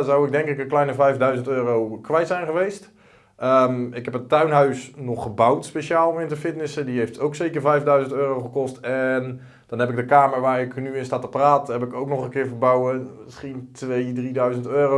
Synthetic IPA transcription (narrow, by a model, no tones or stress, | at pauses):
zawɪɡ̚dɛŋkɪkənklɛjnəvɛjfdœɥzəntøːrowkʋɛjtsɛjnχəʋejst | əmɪkhɛp̬ətœɥnɦœɥsnɔχːəbawtspeʃaːlˠomɪntəfɪtnɪsədiɦejftʰowksejkəɹvɛjfdœɥzəntøːrowχəkɔstɛn | d̥ɔnɦɛpɪɡ̚dəkaːməɹʋaːɪknyɪnstatəpraːtɦɛpɪkowknɔχənkɪːɹvəbawəɪsχintʋejdridœɥzəntøːro